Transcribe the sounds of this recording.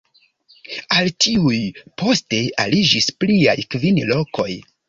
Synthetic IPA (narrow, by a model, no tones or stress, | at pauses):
altʰiujpʰo̞ste̞alid͡ʒispliajkvinlo̞kʰo̞j